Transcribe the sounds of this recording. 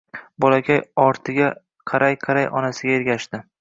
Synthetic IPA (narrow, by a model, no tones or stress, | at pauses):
bɒlakʲʰajɒɾt̪ʰɪɡʲa | qʰɑɾajqʰɑɾajʔɒ̰nasɪɡʲaeɾɡʲaʃd̪ɪ